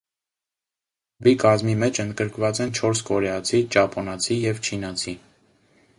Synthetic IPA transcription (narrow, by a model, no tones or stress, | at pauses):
bikɑzmimɛt͡ʃʰənd̪ɡəɾkvɑt͡sɛnt͡ʃʰɔɾskɔɾɛɑt͡sʰit͡ʃɑpʰɔnɑt͡sʰijɛvt͡ʃʰinɑt͡sʰi